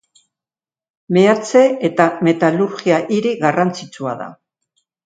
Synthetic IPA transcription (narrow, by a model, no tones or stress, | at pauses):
meat͡se̞et̪ame̞t̪aluɾɣiaʔiɾiɣarant͡sit͡sua̰ða̰